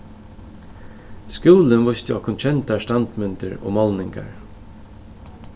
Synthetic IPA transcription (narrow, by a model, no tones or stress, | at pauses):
skuːlənʋʊst̪jɔhkʊnt͡ʃʰɛnt̪aʂt̪ant̪mʏnt̪əɹo̰ːmɔlnɪŋɡa̰ɹ